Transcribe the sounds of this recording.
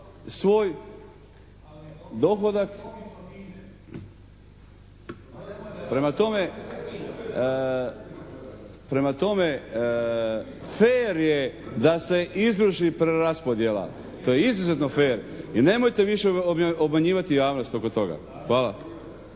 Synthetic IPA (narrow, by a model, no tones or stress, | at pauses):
sʋo̞ːj | d̪o̞xod̪ak | pɾe̞mat̪o̞me̞ | pɾe̞mat̪o̞me̞ | feːɾjed̪ase̞ʔizɾuʃipɾeɾaspo̞d̪jela̰ | t̪ojeizizet̪nofeːɾine̞mo̞jt̪e̞ʋiʃeobmaɲiːʋat̪ijaːʋno̞st̪o̞ko̞t̪o̞ɡa̰ | xʋaːla̰